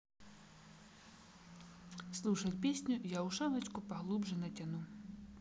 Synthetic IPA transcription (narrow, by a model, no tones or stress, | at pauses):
slˠuʂɐt͡sʲpʲesʲnʲujawʂavɐt͡ʃkupaɣlˠubʐɐnɐt͡sʲanu